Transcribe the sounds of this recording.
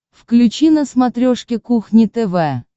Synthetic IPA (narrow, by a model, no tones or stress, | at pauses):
fklʲʉt͡ɕinəsmat̪ɾʲoʂkʲɪkuxnʲɪt̪ɛvɛ